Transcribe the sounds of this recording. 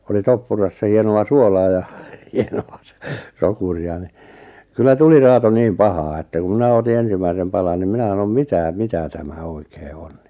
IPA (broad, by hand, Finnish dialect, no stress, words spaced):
oli topːurɑsːɑ hienoɑ suolɑː jɑ hienoɑ sŏ sokuriɑ ni kylːæ tuli rɑːto niːm pɑhɑː etːæ ku mĭnæ oti ensimæisem pɑlɑn nim mĭnæ sɑnom mitæ mitæ tæmæ oikeː o̥n̥ n̥i̥